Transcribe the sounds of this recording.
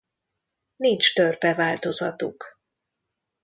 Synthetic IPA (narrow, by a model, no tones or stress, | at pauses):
nint͡ʃt̪ørpɛvaːlt̪o̞zɒt̪ṵk